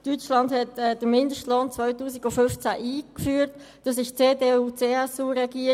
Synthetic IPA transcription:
tyt͡ʃlɑndhɛtɛd̥əɾmɪndəʃtloːnt͡svœʏtuːsiɡʊfʏnft͡sæʔiːkfyːəɾt | d̥ɑs̬ɪʃt͡seːdeːuːt͡seːɛsuɾɛɡiːə

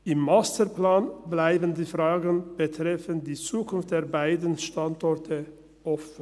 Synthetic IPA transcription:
ʔɪmːastəɾplaːnblaɪbəndiːfʁaːɡənb̥ətʁ̥ɛfəndiːt͡suːkʰʊnftd̥eːɐbaɪdən̩ʃtantɔɐtʰə | ʔɔfən̩

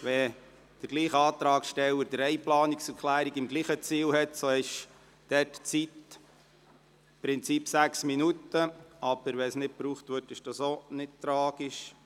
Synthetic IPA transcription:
ʋɛ | d̥əɾɡliːχəɑːt̪ɾɑːkʃtɛləɾdəɾɛɪplɑːniksəɾkʰlæːɾiɡɪmɡliːχət͡siːlhɛt̪soɪʃ | d̥ɛtt͡sit | pɾɪnt͡sipsæksminutəɑb̥əɾʋɛsnɪt̚pɾuːχt̪ʋøtɪʃd̥ɑsonɪt̚t̪ɾɑːɡ̥iʃ

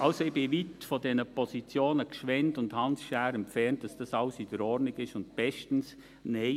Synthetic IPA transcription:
ʔɑlsoɪb̥ɪʋitfɔdɛnəpɔsit͡sjoːnəkʃʋɛntʊndhɑnsʃæːɾɛmpfɛnt̚d̥ɑsd̥ɑsɑʊsid̥əɾɔɾdnɪɡɪʃʊnd̚b̥ɛʃtn̩s | ne

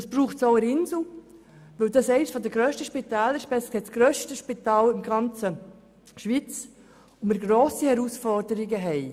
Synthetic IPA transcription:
d̥ɑsb̥ɾuːχtsɔʊəɾɪnzl̩ | ʋɵld̥̪ɑsɛɪnsfɔd̪əɡɾœːʃtəʃpit̪æːləɾʃpɛshɛtsɡ̥ɾœʃtəʃpit̪ɑːlɪmɡɑnt͡sə | ʃʋit͡s | omɪɾɡɾoːsihɛɾusfɔɾdəɾɪɡəɦɛɪ

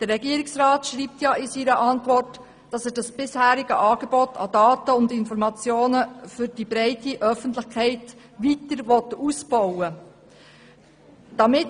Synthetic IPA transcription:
d̥ərːɛɡiəɾɪksɾɑːtʃɾiːp̚t̪jɑʔɪsiɾəʔɑntʋɔrt | d̥ɑsɛdɑsb̥ɪshæːɾiɡəʔɑːɡ̥eb̥ɔtʰɑ̰d̥ɑːtəʊndɪnfɔɾmɑt͡sjoːnəfʏɾd̥ibɾɛɪtiʔœfəntlɪχkʰɛɪt | ʋitəɾʋɔt̪usbɔwə | d̥ɑmɪt

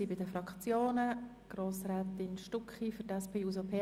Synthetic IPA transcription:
iːbɪdəfɾɑkt͡sjoːnə | ɡ̥ɾoːsrɛːt̪ɪnʃtukχifyɾtɛspʰeːuzopʰeː

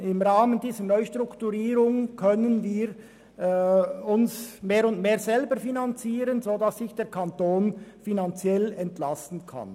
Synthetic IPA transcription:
ɪmʁaːməndiːzənœʏʃtʁ̥ʊktuʁiːʁʊŋkʰœnənviːɾ | ʊnsmeːɾʊndmeːɐzɛlbəɾfinant͡siːʁənzoːdɑsːɪçd̥eːkʰantoːnfinant͡sjɛlɛntlastn̩kʰa̰n

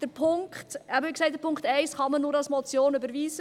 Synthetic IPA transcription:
d̥əɾpʰʊŋkχtæbəɪksɛɪt̚ːəɾpʰʊŋktɛɪsχɑmənːʊɾɑlsmɔt͡sjoːnybəɾviːzə

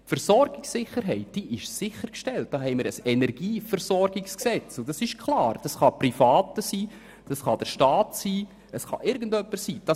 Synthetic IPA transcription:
fɛɾsɔɾɡ̥ɪksɪχəɾɦɛɪt̚d̥iːʔɪʃsɪχəɾkʃtɛlt̚d̥ɑːɦɛɪmɪːɾəsɛnɛrɡ̥iːfɛɾsɔɾɡɪksksɛt͡sʊd̥ɑsɪʃkʰlɑːɾd̥ɑsχɑprifɑːtəsiː | d̥ɑsχɑd̥əɾʃtɑːtsiː | əsχɑ̰ʔɪɾɡəndœpːəsiːd̥ɑ

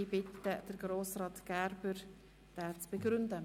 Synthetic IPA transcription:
ibɪtːəd̥əɾɡɾoːsrɑːtɡ̥ɛɾbəɾ | d̥ɛːt͡sb̥əɡɾʏndə

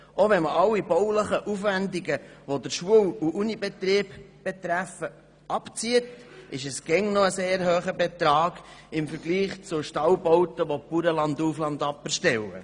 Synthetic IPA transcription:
ʔoʋɛnməʔɑlːibɔwləχəʔufʋænd̪iɡəʋod̪əɾʃuəwuʔunibet̪ɾiːbb̥et̪ɾæfə | ʔɑpt͡siətɪʃəsɡ̥ɛŋnoəseːɾhøːχəbet̪ɾɑːɡɪmfəɾɡ̥liːχt͡sʊʃtɑwbɔwt̪əʋopuɾəlɑnd̪uːflɑnd̪ɑpːɛɾʃtɛwə̰

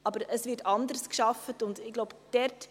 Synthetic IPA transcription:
ʔɑbəɾəsvɪɾtɑndəɾskʃɑfətʊndɪɡloʊbd̥ɛɾt

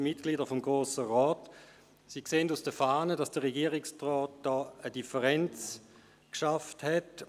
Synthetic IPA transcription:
mɪt̚ɡ̥liːdəfɔmɡʁoːsəʁɔːt | siːkseːəndusd̥əfaːnədasd̥əʁɛɡiːʁɪkstʁɔːt̚d̥ɔːədifəʁɛnt͡s | kʃafthɛt

